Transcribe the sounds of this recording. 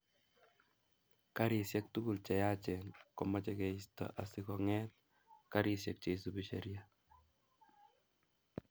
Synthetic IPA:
kaɾisjɛk̚tuɡult͡ʃɛjat͡ʃɛnkɔmɔt͡ʃɛkɛistɔ̰ʔasikɔŋɛt̚ | kaɾisjɛk̚t͡ʃeisubiʃɛɾja

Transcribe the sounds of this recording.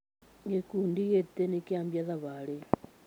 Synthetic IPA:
ŋekundiɣet̪enekiambjaðaβaɺe

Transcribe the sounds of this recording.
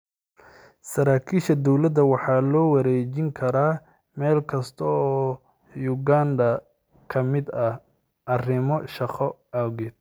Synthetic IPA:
sɐɾaːkʰiːʃɐd̪ɔwlɐd̪ɐwɑħɑːlɔːwɑɾɛːt͡ʃɪŋkʰɐɾaː | mɛːlkʰɐst̪ʰɔɔː | jʊɡaːnd̪ɐ | kʰɐmɪd̪ɐ | ʔɐrɪmɔʃɑqɔawɣɛd̪̚

